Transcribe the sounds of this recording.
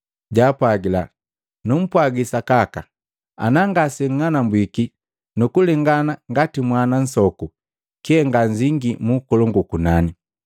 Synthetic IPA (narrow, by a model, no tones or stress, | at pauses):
ɟaːpaɡila̰ | num̩pwaɡisakaka | a̰naŋɡasɛŋ̩ŋanambwiki | nukulɛŋɡanaŋɡatimwanan̩sɔku | kihɛŋɡaɲd͡ʒiŋɡimukɔlɔŋɡukunani